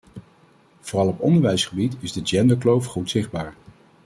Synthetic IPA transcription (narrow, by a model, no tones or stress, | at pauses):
v̥oːrɑlˠɔpɔ̰ndəɹʋɛjsχəbitɪzdəd͡ʒɛndəɹklowfχutsɪχd̚baːɹ